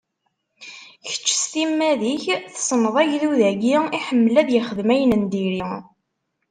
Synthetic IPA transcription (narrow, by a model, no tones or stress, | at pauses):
çə̥t͡ʃːsθimːæðiçθsˤnəðˤæʝðuðæɡiiħəmːlæðjəχəðmæjənənd̪iɾi